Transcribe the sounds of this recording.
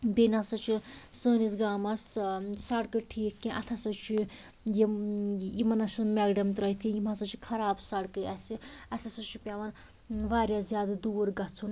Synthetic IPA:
benasɐt͡ʃʰisəːnisɡaːmɐssɐɽkɨʈʰiːkːʲĩʔɐ̰t̪ʰɐsɐt͡ʃʰi | jijimɐnɐsɨmɛːɡɖɐmt̪ɾɐjt̪ʰijimasɐt͡ʃʰi̥kʰɐɾaːbsɐɽkɨɐsiɐt̪ʰasɐt͡ʃʰipʲaʋɐn | ʋaːɾʲjazjaːd̪d̪uːɾɡɐt͡sʰun

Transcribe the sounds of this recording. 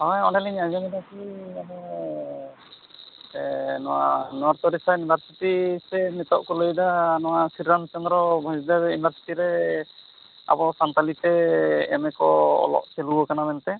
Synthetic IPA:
ɔjɔɖaliɲad͡ʒɔminakiamɔ | nɔwa̰nɔaɾt̪ɔɾisaunibʱaɾsiʈisɛmit̪ɔʔkɔlojd̪anɔwasiɾːant͡ʃɔnd̪ɾɔbʱɔd͡ʒd̪aunibʱaɾsi̥ʈiɾɛ | a̰bɔsant̪alit̪ɛɛ̰mɛkɔɔ̰lɔ̰ʔseluɔkanamɛnt̪ɛ

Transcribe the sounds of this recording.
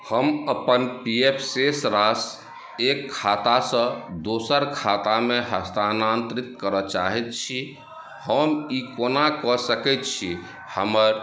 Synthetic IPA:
həməpənpiepʰsesɾas | ekʰːat̪asə̃d̪osəɾkʰat̪ameɦəst̪anant̪ɾit̪kəɾət͡ʃa̰ɦɛt̪̚t͡ʃʰi | həmikonakɔsəkɛt̪̚t͡ʃʰi | həməɾ

